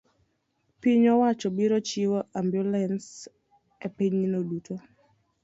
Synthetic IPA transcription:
piɲɔwat͡ʃɔbiɾɔt͡ʃiwɔʔambjulɛns | epiɲinodutʰo

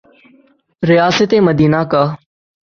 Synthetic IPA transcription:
ɾɪjaːsət̪eːməd̪iːnaːkaː

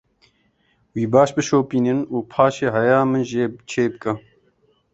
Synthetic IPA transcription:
wiːbɑːʃbɨʃoːpiːnɨnuːpʰaːʃeːɦɐjaːmɨnʒeːt͡ʃʰeːbɨkɐ

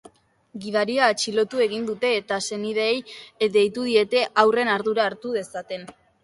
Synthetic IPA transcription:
ɡið̞aɾiaːt͡ʃilo̞t̪ue̞ɣ̞ind̪ut̪e̞ːt̪ase̞nið̞e̞ːjd̪e̞jt̪uð̞ie̞t̪e̞ʔawre̞naɾðuɾaːɾt̪uð̞e̞sat̪e̞n

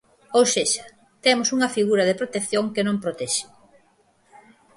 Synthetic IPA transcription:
owseʃɐ̥ | t̪emʊsuŋɐfiɣuɾɐðepɾot̪ekθjoŋkenõmpɾot̪ɛʃɪ̥

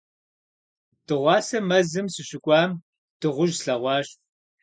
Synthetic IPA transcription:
d̥ɨʁʷɑːsɐmɐzɨmsɨɕʼɪkʷʼɑːm | d̥ɨʁʷʊʒɬɐʁʷɑːɕ

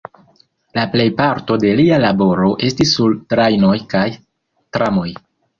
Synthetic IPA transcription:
laple̞jpaɾto̞de̞lialabo̞ɾo̞ʔe̞stisːultɾajno̞jkaj | tɾamo̞j

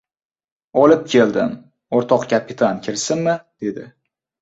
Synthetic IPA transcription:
ɒlɪp̚kʲʰe̞ld̪ɪm | oɾt̪ʰɒqkʲʰapʰɪt̪ʰankʲʰɪɾsɪnmɪd̪̥e̞d̪ɪ

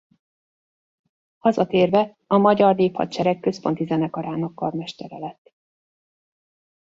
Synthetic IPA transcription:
hɒzɒt̪eːrvɛ | ɒmɒɟɒrneːphɒ̰t̪t͡ʃɛɾɛkːø̞spo̞n̪t̪izɛnɛkɒɾaːnɒkːɒrmɛʃt̪ɛɾɛlɛt̪ː

